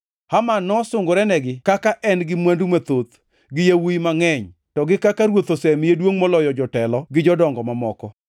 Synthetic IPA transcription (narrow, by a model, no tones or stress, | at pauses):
hamanɔsʊŋɡoɾɛnɛɡɪkakaʔɛnɡɪmwandumat̪ot̪ | ɡɪjawuimaŋɛɲ | tɔɡɪkakaɾwot̪osɛmjedwoŋmɔlɔjɔd͡ʒɔtɛlɔɡɪd͡ʒɔdɔŋɡɔmamɔkɔ